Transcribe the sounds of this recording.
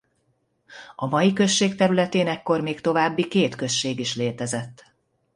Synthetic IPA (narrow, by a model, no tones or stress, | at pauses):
ɒmɒjikø̞ʃːeːkt̪ɛɾylɛt̪eːnɛkːo̞rmeːkt̪o̞vaːbːikeːt̪kø̞ʃːeːɡiʃleːt̪ɛzɛt̪ː